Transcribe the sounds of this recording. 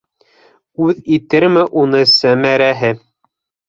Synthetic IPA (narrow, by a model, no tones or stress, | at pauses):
ʉðit̪ɘɾmɘʔunɤsæmæɾæɦɘ